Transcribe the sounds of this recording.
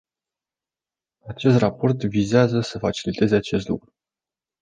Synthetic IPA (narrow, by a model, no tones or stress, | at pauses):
at͡ʃe̞st̪rapo̞rt̪vizeazəsəfat͡ʃilit̪e̞ze̞at͡ʃe̞s̬t̪lṵkɾu